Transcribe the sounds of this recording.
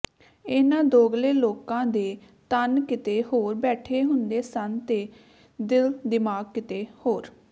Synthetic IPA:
ɪːnãːd̪oːɡleːloːkãːd̪eː | t̪ənkɪt̪eːhoːɾbɛːʈʰeːɦʊnd̪eːsənt̪eː | d̪ɪld̪ɪmaːɡ̚kɪt̪eːhoːɾ

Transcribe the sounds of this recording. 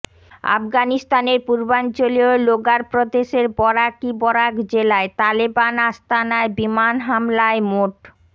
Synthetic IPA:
a̰fɡanist̪aneɾpuɾbant͡ɕolioloɡaɾpɾod̪eʃeɾbɔɾakibɔɾakd͡ʑelaet̪alibanast̪anaebimanɦamlaemoʈ

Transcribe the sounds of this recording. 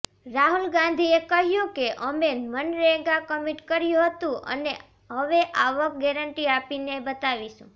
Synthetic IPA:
ɾaɦulɡãnd̪ʱiekəɦjũkeʔəmemənɾeɡakəmiʈkəɾjũɦət̪ũʔə̰ne | ɦəʋeʔaʋək̚ɡɛɾəɳʈiapinebət̪aʋiʃṵ̃

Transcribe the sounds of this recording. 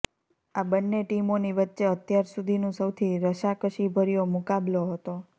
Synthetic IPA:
abənːeʈimoniʋətːʃeət̪jaɾsud̪ʱinũsəwt̪ʰiɾəʃakəʃibʱəɾijomʊkabloɦət̪o

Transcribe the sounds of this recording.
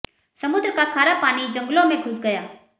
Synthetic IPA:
sɐmʊd̪ɾəkakʰaːɾapaːnid͡ʒə̃ŋɡlõmẽkʰʊsɡɐjaː

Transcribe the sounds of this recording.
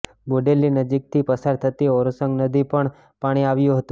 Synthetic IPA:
boɖelːinəd͡ʒik̚t̪ʰipəsaɾt̪ʰət̪iɔɾosəŋɡnəd̪ʱipəɳ | paɽ̃iaʋjũɦət̪ũ

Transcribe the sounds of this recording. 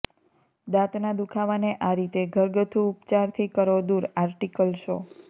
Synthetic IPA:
d̪at̪nad̪ukʰaʋaneʔaɾit̪eɡʱəɾɡət̪ʰuupt͡ʃaɾt̪ʰikəɾʋod̪uɾaɾʈikəlʃo

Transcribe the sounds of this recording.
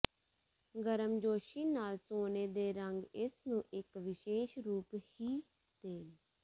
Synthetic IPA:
ɡəɾəmd͡ʒoːʃiːnaːlsoːneːd̪eːɾəŋɡɪsnũːʔɪkʋɪʃeːʃɾuːphiː | d̪̥eːn

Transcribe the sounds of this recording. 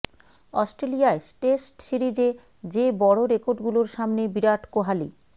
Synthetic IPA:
ɔsʈɾeliaeʈesʈʃiɾid͡ʑe | d͡ʑebɔɽoɾekoɾɖɡuloɾʃamnebiɾaʈkoɦali

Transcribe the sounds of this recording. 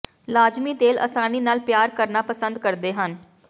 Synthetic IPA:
laːd͡ʒmiːt̪eːlʔə̰saːniːnaːlpjaːɾkəɾnaːpəsənd̪kəɾd̪eːɦən

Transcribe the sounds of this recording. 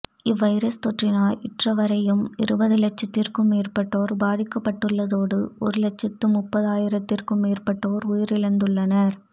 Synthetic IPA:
ɪʋɐɪɾɐst̪ɔʈrɪnaːlɪʈrɐʋɐɾɐjɯmɪɾɯbɐðɯlɛt͡ʃːɐt̪ːɪrkɯmeːrpɐʈːoːɾbaːðɪkːɐpːɐʈːɯɭːɐðoːɽɯɔɾɯlɛt͡ʃːɐt̪ːɯmʊpːɐðaːjɪɾɐt̪ːɪrkɯmeːrpɐʈːoːɾʊjɪɾɪɻɐnd̪ɯɭːɐnɐɾ

